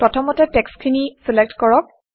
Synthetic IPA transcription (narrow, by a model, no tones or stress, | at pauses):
pɹɔtʰɔmɔtɛtɛkskʰinisilek̚tkɔɹɔk̚